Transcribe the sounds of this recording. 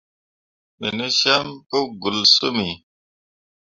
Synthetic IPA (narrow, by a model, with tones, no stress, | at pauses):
mi˨ne˦ʃa˦mpo˦ɡu˨lsu˦mi˨